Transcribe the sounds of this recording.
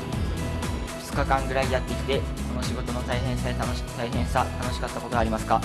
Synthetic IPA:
ɸɯ̥t͡sɨ̥kakãŋɡɯ̟ɾaijat̪ːe̞kʲi̥t̪e̞ko̞no̞ɕiɡo̞t̪o̞no̞t̪aiɦẽɰ̃saet̪anoɕi̥kɯ̥t̪aiɦẽ̞ɰ̃sat̪ano̞ɕi̥kat̪ːako̞t̪o̞ɡaːɾʲimasɨ̥ka

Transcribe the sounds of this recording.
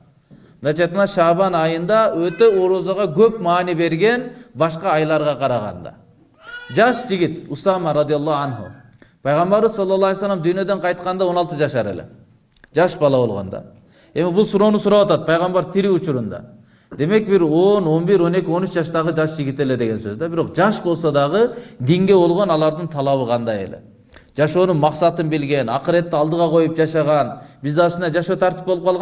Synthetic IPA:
mnɑjt͡ʃʰɑjt̪̚qɑnɑʃɑβɑnɑjɯnd̪ɑøt̪ø̞oɾozɑʁɑɡøpmɑːnibe̞ɾɡe̞nbɑʃqɑːjlˠɑɾʁɑqʰɑɾɑʁɑ̰nd̪ɑ̰ | d͡ʒɑʃd͡ʒiɡʲit̪̚usɑmɑɾɑd̪ijɑlˠːɑanɦṵ | pʰɑjʁɑmbɑɾɯzɑlˠːɑlːˠɑlejsːalːɑmd̪yjnø̞d̪eɴqʰɑjt̪qɑnd̪ɑo̞nɑlˠt̪ɯd͡ʒɑʃɑɾe̞̰le̞̰ | d͡ʒɑʃbɑlˠɑβo̞lˠʁo̰nd̪ɑ̰ | e̞mibulˠsuɾo̞ːnusuɾɑwɑt̪ɑt̪̚pʰɑjʁɑmbɑɾsiɾiut͡ʃuɾund̪ɑ̰ | d̪e̞me̞k̚biɾo̞no̞nbiɾo̞ne̞kʲio̞nyt͡ʃd͡ʒɑʃt̪ɑʁɯd͡ʒɑʃd͡ʒiɡʲit̪e̞le̞d̪e̞ɡe̞nsøzd̪ɛbiɾo̞qd͡ʒɑʃbo̞lˠsod̪ɑʁɯd̪iŋɡe̞βo̞lˠʁo̞nɑlˠɑɾd̪ɯnt̪ʰɑlˠɑβɯqʰɑnd̪ɑjḛle̞̰ | d͡ʒɑʃo̞ːnunmɑqsɑt̪ɯnbilɡe̞nɑ̰qɾet̪ːiɑlˠd̪ɯʁɑqʰo̞jup̚d͡ʒɑʃɑʁɑnbizd̪ɑʃɯnd̪ɑd͡ʒɑʃo̞ːt̪ʰɑɾt̪ipbolˠup̚qɑlˠʁɑ

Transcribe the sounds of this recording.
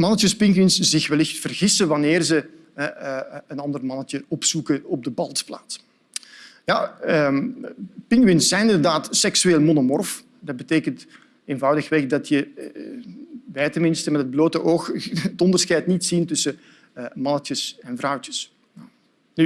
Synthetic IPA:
mɑnətəspɪŋkwɪnsz̥ɪxʋɛlɪxtfərɣɪsəʋɑnɪːrzə | ɛənɑndərmɑnətəɔpsukəɔb̚dəbɑlˠtspla̰ːts | ja | pɪŋkwɪnszɛjnɪndərdaːtsɛksyeːlˠmonomɔrf | dɑd̚bəteːkənt | eːnvɑwdəxʋɛxdɑtjə | ʋɛjtənmɪnstəmɛtɦəd̚bloːtəʔoːxətɔndərsxɛjtnitsintʏsə | mɑnətəsɛnvrʌwtəs | ny

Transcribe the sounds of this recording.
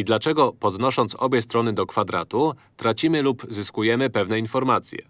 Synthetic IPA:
id̪lat͡ʂɛɡɔpɔd̪nɔʂɔnt̪sɔbʲjɛst̪ɾɔnɘd̪ɔkfad̪ɾa̰t̪ut̪ɾat͡ɕimɘlupzɘskujɛmɘpɛvnɛinfɔɾmat̪sʲjɛ̰

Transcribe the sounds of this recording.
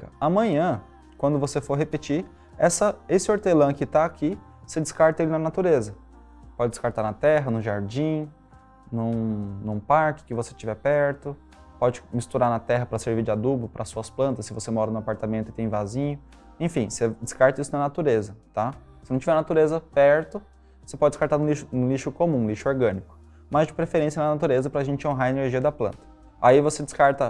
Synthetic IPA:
kɐamɐ̃ɲɐ̃ | kwɐ̃nd̪ʊvosefoɾɦepɪt͡ʃi | ɛsɐesɪoɾt̪elɐ̃kɪt̪aːki | sed͡ʒɪskaɾt̪ɐelɪnɐnat̪uɾezɐ | pɔd͡ʒɪd͡ʒɪ̥skaɾt̪aɾnɐt̪ɛɦɐnʊ̃ʒaɾd͡ʒĩ | nũnũpaɾkɪ̥kɪvose̥t͡ʃivɛpɛɾt̪ʊ | pɔd͡ʒɪmist̪uɾaɾnɐt̪ɛɦɐpɾɐseɾviɾd͡ʒɪad̪ubʊpɾʔɐsːuɐsplɐ̃nt̪ɐsːɪvosemɔɾɐnʊapaɾt̪amẽnt̪ʊɪt̪ẽj̃vazĩɲʊ | ẽfĩsed͡ʒɪskaɾt̪ɐisʊnɐnat̪uɾezɐt̪a | sɪnɐ̃t͡ʃivɛɾnat̪uɾezɐpɛɾt̪ʊ | osepɔd͡ʒɪdd͡ʒɪskaɾt̪aɾnʊ̃liʃʊnũliʃʊkomũliʃʊoɾɡɐ̃nikʊ̥ | mɐzd͡ʒɪpɾefeɾẽsijɐnɐnat̪uɾezɐpɾɐaʒẽnt͡ʃɪõɦaɾɐeneɾʒiɐd̪ɐplɐ̰̃nt̪ɐ̥ | a̰ivosed͡ʒɪskaɾt̪ɐ

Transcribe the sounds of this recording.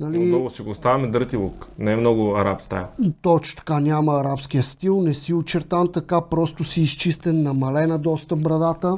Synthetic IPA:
nɐlinɔɡʊsiɡoːst̪avɐmɛd̪əɾt̪ilˠoknɛmnɔɡʊɐɾapst̪a̰jt̪ɔt͡ʃʊ̥t̪ɐ̥kanʲaməːɾapsk̟ijəst̪ilˠnɛsiʊt͡ʃɛɾt̪amt̪ɐkapɾɔst̪ʊsiːst͡ʃist̪ɛnːɐmɐlɛnɐd̪ɔst̪əpbɾɐd̪at̪ə

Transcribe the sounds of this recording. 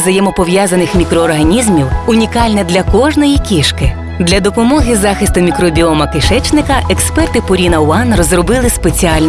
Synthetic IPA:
zɐjɛmɔpɔʋjazɐnɪxmʲikɾɔːrɦɐnʲizmʲiwʊnʲikɑlʲnɛd̪lʲɐkɔʒnɔjikʲiʃkɪ | d̪lʲɐd̪ɔpɔmɔɦɪzɑxɪst̪ʊmʲikɾɔbʲiɔmɐkɪʃɛt͡ʃnɪkɐɛkspɛrt̪ɪpʊɾʲinɐʊɑnrɔzrɔbɪlˠɪspet͡sʲiɑlʲn

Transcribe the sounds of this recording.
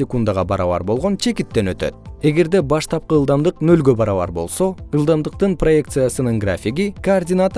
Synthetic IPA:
ekund̪aʁɑbɑɾɑ̰βɑ̰ɾbo̞lˠʁo̞nt͡ʃʰe̞kit̪ːe̞nø̞t̪ø̰t̪̚e̞ɡe̞ɾd̪e̞bɑʃt̪ʰɑp̚qɯːlˠd̪ɑmd̪ɯqnø̞lɡø̞bɑɾɑβɑ̰ɾbo̞lˠso̞ɯlˠd̪ɑmd̪ɯq̚t̪ɯnpro̞je̞k̚t̪sɨjasɯnɯŋɡrafʲiɡikɐːrdʲinat̪

